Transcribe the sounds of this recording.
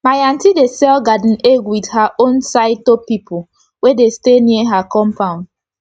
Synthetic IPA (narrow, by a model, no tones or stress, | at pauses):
majãntidesɛlɡad̃n̩eɡwidhaʔõnsaɪd̚topipʰo | wedesteniəɦakɔ̃mpʰãʊ̃n